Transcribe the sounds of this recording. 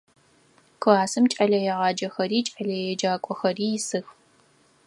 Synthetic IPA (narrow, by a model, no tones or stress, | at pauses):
kʰaːsɨmt͡ʃʼɐɮɐjɛʁɑːd͡ʒɐxɐɾiːt͡ʃʼɐɮɐjɛd͡ʒaːkʷʼɔxɐriːjɪsɨx